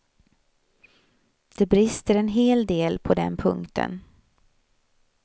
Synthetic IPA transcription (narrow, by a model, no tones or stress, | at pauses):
d̪̥ɛbɾɪst̪əɾɛnɦeːld̪eːlpʰɔd̪ɛ̰npʰɵ̰ŋkt̪ʰə̰n